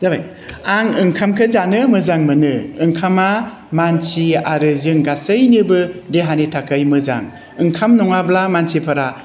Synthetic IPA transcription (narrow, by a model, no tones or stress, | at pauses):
d̥abaj | aŋɯŋkʰamkʰɯzanɯmɯzaŋmɯnɯɯŋkʰama | mansiaɾɯzɯŋɡasɯjnɯbɯdeɦanitʰakʰɯjmɯza̰ŋ | ɯŋkʰamnɔŋablamansʰipʰɯɾa